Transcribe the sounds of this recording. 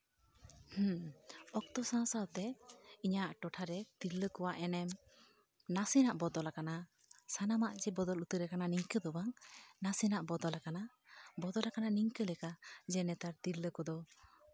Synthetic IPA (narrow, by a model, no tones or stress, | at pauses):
hũɔk̚t̪ɔsãsawt̪ɛiɲaʔʈɔʈʰaɾɛt̪iɾləkɔwaʔɛnɛm | nasinaʔbɔd̪ɔlakana | sanamaʔd͡ʒɛbɔd̪ɔlut̪əɾɛkananiŋkəd̪ɔbaŋnasinaʔbɔd̪ɔlakana | bɔd̪ɔlakananiŋkəlɛkad͡ʒɛnɛt̪aɾt̪iɾləkɔd̪ɔ